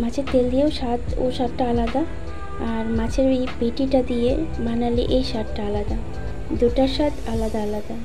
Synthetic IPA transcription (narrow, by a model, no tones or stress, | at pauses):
mãt͡ɕʰet̪eld̪ijeoʃat̪o̰ʃat̪ʈaalad̪a | aɾmãt͡ɕʰeɾejpeʈiʈad̪ijemanaleʔejʃat̪ʈaalad̪a | d̪uʈaɾʃat̪alad̪aalad̪a